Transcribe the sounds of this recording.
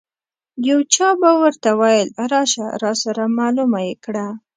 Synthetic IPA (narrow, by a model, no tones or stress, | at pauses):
jawt͡ʃɑbawəɾt̪awajəlɾɑʃa̰ɾɑsaɾamɑlumajekɽa